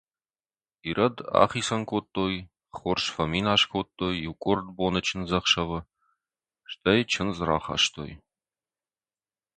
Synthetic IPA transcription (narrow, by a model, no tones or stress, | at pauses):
iɾʔɐda̰ːχiːsɐnkʷʰotʼːoːj | χʊrʂfɐmiːnaːʂkʰotʼːoːjukʷʼʊrd̪boːnɐt͡ʃʰɪnzɐχʃɐvɨ | ʂtʰɐjt͡ʃʰɪnzra̰ːχɑ̰ːʃt̪ʰo̰ːj